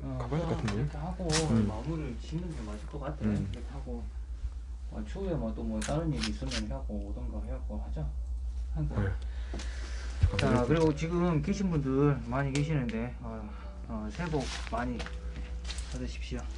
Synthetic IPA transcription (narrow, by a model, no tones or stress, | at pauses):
ʌɾʌkʰehaɡomamuɾɯɭt͡ɕinɯnɡʰemaɕʰiɭk͈ʌk͈atʰekɯɾʌkʰeaɡo | ʌ̰t͡ɕʰoemwʌt͈omwʌt͈aɾɯniɾiːs͈ɯmʌnɦeaɡoːdʌnɡʌheakohad͡ʑohanɡo | t͡ɕakɯɾiɡot͡ɕiɡɯmkeɕʰinbundɯɾmaɲikeɕ̬ʰinɯnde̞ | ʌ | ʌsʰe̞bok̚maɲi | padɯɕʰi̥p̚ɕ͈io